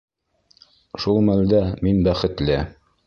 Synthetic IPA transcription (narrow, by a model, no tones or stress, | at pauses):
ʃulˠmæld̪æminbæχɘ̆t̪lɘ